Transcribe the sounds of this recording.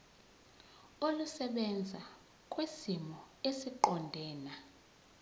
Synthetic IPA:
olusɛɓɛnd͡zʱa | kʼwesimɔ | esiǃɔndʱɛːna

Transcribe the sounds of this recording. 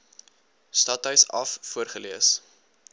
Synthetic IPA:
stɐtœɥsɐffuərχəliəs

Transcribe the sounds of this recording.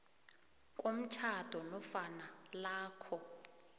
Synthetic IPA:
k̬ʼom̩t͡ʃʰad̥ʱɔnɔfanalaːkʰɔ

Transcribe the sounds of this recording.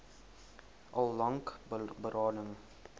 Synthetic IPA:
ʔɑlˠlɐŋkbəɾɑːdəŋ

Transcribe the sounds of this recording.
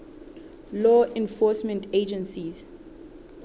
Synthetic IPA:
lɔɛ̃nfɔsmɛ̃ntʰed͡ʒɛ̃nsiz

